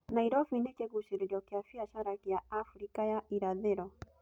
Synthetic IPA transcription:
naiɾɔfinɛkɛɡuʃiɾidiakiafiaʃaɾakiaafɾikajaʔiɾaðɛɾɔ

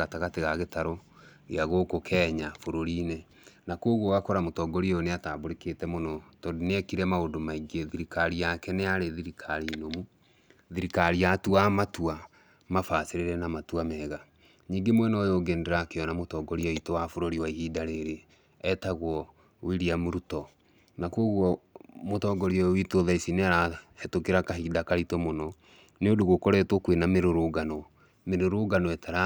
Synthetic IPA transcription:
ɣataɣateɣaɣetaɾɔ | ḛaɣokokʰɛːɲafoɾoɾine | nakoɣwɔɣakɔɾamotɔːɡɔɾioneataboɾekeːtɛmonɔtɔdineɛkiɾɛmaodomaiɡeðiɾikaɾiakɛneaɾeðiɾikʰaɾinomu | ðiɾikaɾiatuamatua | mafaːseɾeɾɛnamatuamɛːɣa | ɲiːŋɡemwɛnɔjoɡɛndɛɾakeɔnamotɔːɡɔɾiaitowafoɾoɾiwaihidaɾeɾe | ɛtaɣwɔ | wiɾiamoɾutɔ | nakwoɣwɔmotɔɡɔɾiɔitoðaisineaɾahɛtokeɾakaɦidakaɾitɔmonɔ | neodoɣokɔɾɛtwɔkwenameɾoɾoɡanɔ | meɾoɾoɡanɔɛtaɾa

